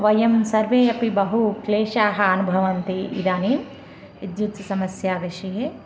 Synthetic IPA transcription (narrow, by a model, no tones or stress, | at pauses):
ʋɐjɐmsɐɾʋeːɐpibɐɦukleːʃaːɦɐɐnubʱɐʋɐnt̪iḭd̪aːni | id̪jut̪sɐmɐsjaːʋiʃɐɦe